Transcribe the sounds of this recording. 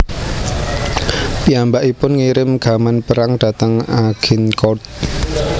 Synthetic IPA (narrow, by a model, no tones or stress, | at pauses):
piambaʔipʊnŋiɾɪmɡ̥a̤manpəɾaŋɖ̥a̤t̪əŋaɡ̥inkɔt̪̚